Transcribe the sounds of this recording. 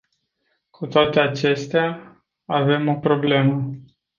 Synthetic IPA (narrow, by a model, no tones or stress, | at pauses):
kʰut̪oat̪e̞at͡ʃe̞st̪ea | ave̞mo̞pɾo̞ble̞mə